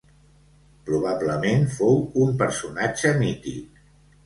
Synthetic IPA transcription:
pɾuβaβləmenfowumpəɾsunad͡ʒəmit̪ḭk

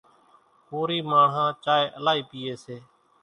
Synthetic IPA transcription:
puːɾiːmaːɳɦãːt͡ʃaːeːʔəlaːiːpiːeːseː

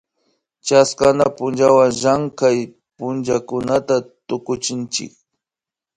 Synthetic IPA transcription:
t͡ʃaskanapʊnd͡ʒawaŋʒaŋkaj | pʊnd͡ʒakʊnat̪at̪ʊkʊt͡ʃɪnt͡ʃɪ̰k̚

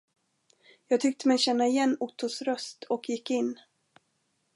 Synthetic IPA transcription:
jɑːɡ̚t̪ʰʏk̚t̪əmɛjɕɛnːaɪjɛnːʊt̪ʰːʊsɾœst̪ʰɔkʰjɪkːɪnː

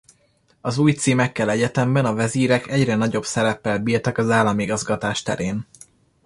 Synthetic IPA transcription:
ɒzuːjt̪siːmɛkːɛlɛɟɛt̪ɛmbɛnɒvɛziːɾɛkɛɟrɛnɒɟo̞bsɛɾɛpːɛlbiːrt̪ɛkɒzaːlːɒmiɡɒzɡɒt̪aːʃt̪ɛ̰ɾeːn

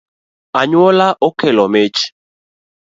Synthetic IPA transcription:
aɲwɔlaʔokɛlɔmet͡ʃ

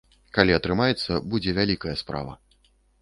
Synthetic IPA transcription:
kalʲiɐt̪ɾɨmajɛt̪sːɐbud͡zʲɛvʲalʲikɐjɐspɾa̰vɐ̰

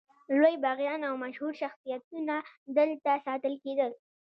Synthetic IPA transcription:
lojbɑɣjɑnawmaʃhuɾʃaxsijat̪̚unad̪əlt̪asɑt̪əlked̪əl

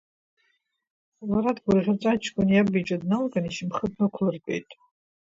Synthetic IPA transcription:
laɾadɡʷʊrʁʲat͡sʼat͡ʃʰkʷʼʊnjabit͡ʃʼadnalɡʼaniʃimχəpʰnakʷʰlɨrkʷʼḛjtʼ

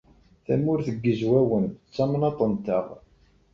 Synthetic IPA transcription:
θæmʊɾθəɡːəzwæwənt͡sːɑmnɑt̪ˤənt̪əʁ

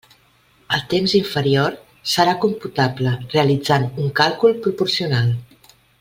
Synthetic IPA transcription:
əlˠt̪emziɱfəɾioɾ | səɾakumput̪abləreəlid͡zanuŋkalˠkulˠpɾupuɾsiunalˠ

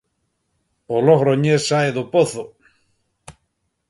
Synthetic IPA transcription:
oloɣɾoɲessaeðopoθo

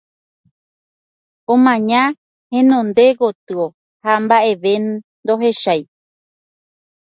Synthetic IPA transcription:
õmãɲã | hẽnõnd̪e̞ɡot̪ɨo | hambaʔe̞ʋe | d̪oɦe̞ʃaj

